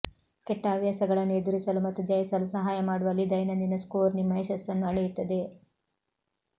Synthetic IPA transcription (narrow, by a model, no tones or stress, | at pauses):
kɛʈːɐːʋjaːsɐɡɐɭɐnːueːd̪uɾisɐlumɐt̪ːud͡ʒɐjɐsɐlusɐɦaːjɐmaːɽuʋɐlːid̪ɐjnɐnd̪inɐskoːɾnimːɐeʃɐsːɐnːuɐɭejut̪ːɐd̪e̞